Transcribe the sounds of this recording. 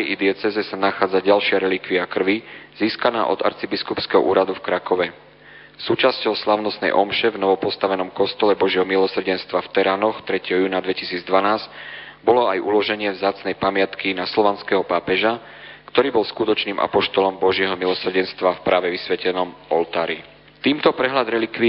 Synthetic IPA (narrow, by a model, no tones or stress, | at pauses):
ɛjid̪ɪɛt͡sɛzɛsanaxaːd͡zaɟalʃɪaɾɛlikʋiakr̩ʋiz̥iːskana̰ːʔɔ̰d̪a̰ɾt͡sibiskupskɛɦɔ̰ʔuːɾad̪ufkɾakɔʋɛ | suːt͡ʃascɔʊslaʊnɔsnɛ̰jʔɔmʃɛvnɔʋɔpɔst̪aʋɛnɔmkɔst̪ɔlɛbɔʒɪɛɦɔmilɔsr̩ɟɛnst̪ʋaft̪ɛɾaːnɔxt̪ɾɛcɛɦɔjuːnad̪ʋɛcisiːd͡zd̪ʋanaːzcbɔlɔajʔulɔʒɛɲɪɛvzaːt͡snɛjpamɪat̪kinaslɔʋanskɛɦɔpaːpɛʒa | kt̪ɔɾiːbɔlskut̪ɔt͡ʃniːmʔa̰pɔʃt̪ɔlɔmbɔʒɪɛɦɔmilɔsr̩ɟɛnst̪ʋafpɾʔaːʋɛʋisʋɛcɛnɔmɔlt̪aːɾḭ | t̪iːmt̪ɔpɾɛɦlad̪ɾɛlikʋi